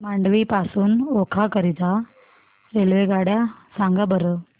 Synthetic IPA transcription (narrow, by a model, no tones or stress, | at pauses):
maɳɖʋipasuːnokʰakəɾit̪a | ɾelʋeɡaɽjasãŋɡabəɾə